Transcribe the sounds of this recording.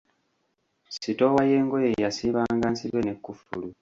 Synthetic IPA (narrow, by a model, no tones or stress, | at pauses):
sito̞wajeːŋɡojejasiːβaːŋɡansiɾwenekːufṵlu